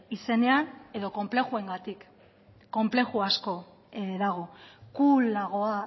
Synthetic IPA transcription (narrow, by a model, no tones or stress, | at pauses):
ise̞ne̞ane̞ðo̞ko̞mple̞xue̞ŋɡat̪ikː | o̞mple̞xuasko̞ | ðaɣ̞o̞kulːaɣ̞o̞a